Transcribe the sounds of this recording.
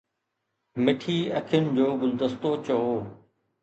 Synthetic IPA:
mɪʈʰiːɐkʰɪjʊnɪ̆d͡ʑoːbʊld̪əst̪ot͡ɕɐoː

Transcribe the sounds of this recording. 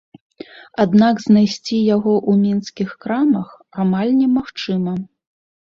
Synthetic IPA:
ad̪naɡznajsʲt͡sʲijaɣɔʔumʲinskʲixkɾamɐx | amalʲnʲɛmaxt͡ʂɨmɐ

